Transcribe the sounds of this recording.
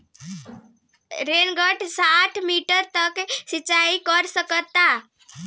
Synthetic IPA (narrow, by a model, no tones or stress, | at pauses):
ɾenɡəʈʰsaʈʰmiʈəɾt̪əksit͡ʃaikəɾsəkət̪ːa